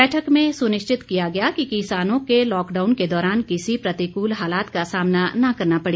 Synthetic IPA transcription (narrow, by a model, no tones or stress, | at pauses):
ɛːʈʰəkmẽsʊnɪʃt͡ʃɪt̪kijaɡɐjakikisaːnõkelɔːkɖaːʊnked̪ɔːɾaːnkɪsipɾɐt̪ikuːlɦaːlaːt̪kasaːmnanɐkɐɾnapɐɽeː